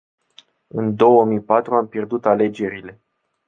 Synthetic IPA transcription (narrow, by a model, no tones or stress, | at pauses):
ɨnd̪o̞wəmijpat̪ɾuampje̞rd̪ut̪ale̞d͡ʒe̞ɾile̞